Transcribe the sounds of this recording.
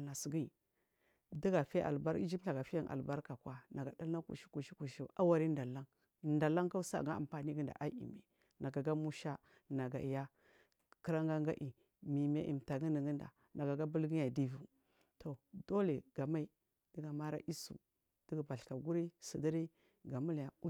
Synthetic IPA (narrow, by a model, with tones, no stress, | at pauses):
a˨si˨ɡi˦˨ | di˦ɡa˨fe˦ʔa̰˨lba˦ɾḭ˦d͡ʒi˦pɬa˨ɡa˨fi˦a˦˨ŋʔa̰˨lba˦ɾka˨kwa˦na˨ɡa˨da˦lna˦kṵ˨ʃi̥˦ku˨ʃi˦ku˨ʃi˨˦ʔa˦wa˦ɾi˦nda˨la˦ŋ˨ | nda˨la˦ŋka˦sa̰˦˨ɡa˦a̰˨mpa˨ni˦ɡə˦nda̰˨ʔa˦ḭ˨mḛ˨ | na˨ɡa˨ɡa˦mu˦ʃa˦ | na˨ɡa̰˨i˨ja˦ | kə˦ɾa˦ŋɡa˦ŋɡa˦ʔi˨ | mi˨me˦ʔḭ˨m˨ta˨ɡi˦ni˨ɡi˦nda̰˨ | na˨ɡa˨ɡa˦bu˦lɡi˦ja˨di˦vu˨ | to˨do˦le˨ɡ̥a˨ma˦i˦ | di˦ɡa˨ma˦ɾa̰˦ʔi˦sṵ˨ | d̥i˦ɡba˨ɬka˨ɡu˦ɾi˦si˨di˦ɾi˦ | ɡa˨mu˦la˨u˦